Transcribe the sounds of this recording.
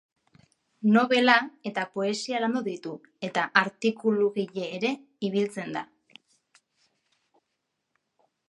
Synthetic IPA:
no̞β̞e̞lae̞t̪apo̞e̞sialand̪oðit̪u | e̞t̪aʔaɾt̪ikuluɣiʎe̞ːɾe̞ | iβ̞ilt͡se̞nd̪a

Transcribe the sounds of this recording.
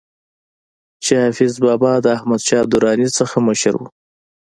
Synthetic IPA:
t͡ʃehafɪzbɑbɑd̪əahmad̪ʃɑːb̚d̪ʊɾɑnit͡səxaməʃəɾwṵ

